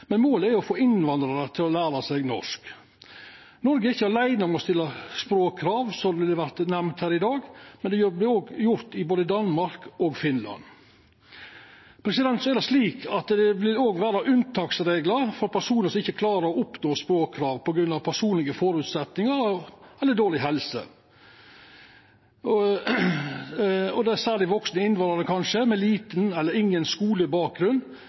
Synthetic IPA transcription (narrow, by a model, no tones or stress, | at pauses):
mɛnmoːləæɾɔfoːɪnʋɑnd̪ɾɑɾət̪ʰɪlɔlæːɾɑsɛɡnɔ̰ʂk | nɔɾɡəɾɪçːəɑɾlæɪnəɔmɔst̪ɪlːɑspɾoːkkʰːɾɑːʋsɔʋɪlːəʋæɾt̪næmnt̪hæːɾɪd̪ɑːɡmɛnd̪ɛjblɪoːɡjʊɾt̪ɪboːd̪əd̪ɑnmɑɾkɔɡfɪnlɑ̰n | pʰɾɛsɪd̪ɛnt̪sɔɛɾd̪ɛsliːkʰɑt̪d̪ɛʋɪloːɡʋæːɾɑʔʉnt̪ʰɑːksɾeːɡləɾfɔɾpʰæʂuːnəsɔmɪçːəkʰlɑːɾəɔʊpnoːspɾoːkkʰɾɑːʋpʰɔɡɾʉnːɑʋpʰæʂuːnlɪɡəfɔɾʉːt̪sɛt̪nɪŋəɾɛlːəd̪oːɭɪɦɛlsə̰ | ɔd̪ɛæsæːlɪʋɔksnəɪnʋɑəd̪ɛkʰɑnʂəmɛliːt̪nɛlːəɾɪŋːənskuːləbɑːk̚ɡɾʉnː